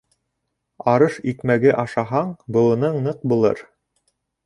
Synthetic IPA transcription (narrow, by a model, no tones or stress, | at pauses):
ɑɾɤʃikmæɡɘʔɑʃɑɦɑɴbɤ̆lˠɤ̆nɤɴnɤq̚bulˠɤ̰ɾ